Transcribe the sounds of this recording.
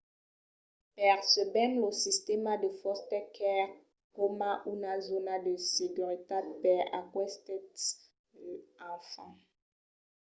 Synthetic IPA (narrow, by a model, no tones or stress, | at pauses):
pɛʁsəbɛnlosist̪emad̪əfɔst̪ɛkɛʁ | kɔmãʔunazonadəsekyʁit̪apɛa̰kwɛst̪ɛt | ãfɑ̃